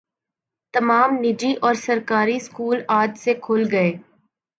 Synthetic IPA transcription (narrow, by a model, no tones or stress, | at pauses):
t̪ɐmaːmnɪd͡ʒiʔɔːɾsɐɾkaːɾiskuːlaːd͡ʒsekʰʊlɡɐeː